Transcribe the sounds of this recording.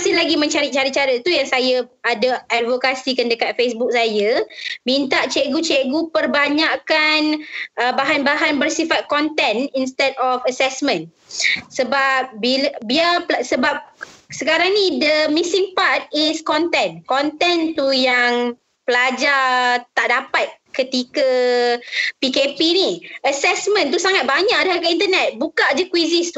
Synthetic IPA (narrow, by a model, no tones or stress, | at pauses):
sɪhlaɡimə̃ɲt͡ʃaɾit̪̚t͡ʃaɾit͡ʃaɾət̪ujaŋsajaadaʔadvokasikandəkat̪̚fesbuk̚sajəmint̪aʔt͡ʃeɡut͡ʃɛʔɡupərbaɲaʔkanʔəbaɦanbaɦanbərsifat̪̚kɔnt̪ɛninst̪ɛdɔfəsɛsmə̃n | səbap̚bilabiapasəbap̚səkaɾaŋnĩdəmisiŋpat̪̚iskɔnt̪ɛ̃nkɔnt̪ɛnt̪ujaŋ | pəlad͡ʒat̪aʔdapat̪̚kət̪ika | pikepiniʔəsɛsmə̃nt̪̬usaŋat̪̚baɲãʔadaakəint̪ənɛt̪̚bukaad͡ʒakwizist̪u